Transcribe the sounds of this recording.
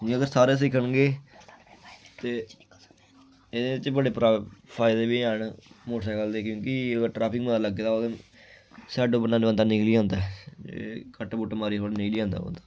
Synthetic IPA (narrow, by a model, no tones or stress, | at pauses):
əɡəɾsaːɾeːs̬ɪkʰːəɳɡeː | t̪eː | ɪd̪eːɪt͡ʃbəɽeːpɾaːpʰaːɪd̪eːʋiːəɳmoʈʰaːkəld̪eːkjõːkiɡʈɾaːpʰɪkmənaːləɡeːd̪aːoːd̪ | saːɖoːbənãːnbə̃nd̪aːnɪkliːãːnd̪aɛḛkəʈːbʊʈːmaːɾiːɦoːɽnɪkliːãːnd̪a̰ːo̰ːnd̪aː